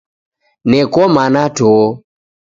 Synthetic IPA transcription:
nɛkɔmanatɔ

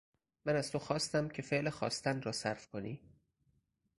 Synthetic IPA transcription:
mænæz̥t̪ʰoxɒːst̪æmcʰe̞feʔlexɒ̰ːst̪ænrɒːsæɾfkʰoniː

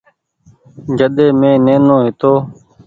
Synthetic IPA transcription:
d͡ʒəɗ̪eːmẽːnẽːnõːɦɪt̪oː

